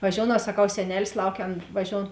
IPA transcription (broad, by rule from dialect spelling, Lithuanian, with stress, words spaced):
ʋɐˈʒʲoːʊnɐʊ sɐˈkɐʊ sʲɛˈnʲæːlʲɪs ˈlˠɐʊkʲɛ ˈɐn ʋɐˈʒʲoːʊn